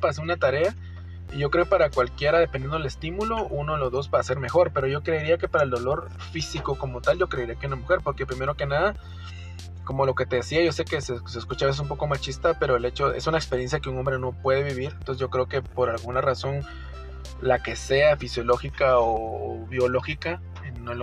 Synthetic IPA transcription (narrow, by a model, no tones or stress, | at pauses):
pas̬eunat̪aɾe̞a | iʝo̞kɾeopaɾakwalkje̞ɾaðepend̪jend̪o̞elest̪imulouno̞lozðo̞sbaːse̞ɾme̞xo̞ɾpe̞ɾo̞ʝo̞kɾe̞iɾiake̞paɾaeld̪o̞lo̞ɾ | fisiko̞ko̞mo̞t̪alʝo̞kɾe̞iɾiakeunamuxe̞ɾpo̞ɾke̞pɾime̞ɾo̞ke̞naða | ko̞mo̞lo̞ke̞t̪e̞ðesiajʝo̞se̞ke̞seseskut͡ʃaβeses̬ump̬o̞ko̞mat͡ʃist̪ape̞ɾo̞ele̞t͡ʃo̞e̞̰sunaekspeɾje̞nsjakeuŋo̞mbɾeno̞pwe̞ð̞e̞βiβiɾent̪osezʝo̞kɾe̞oke̞po̞ɾalɣunaraso̞n | lake̞se̞afisjo̞lo̞xikaoβjo̞lo̞xika | enel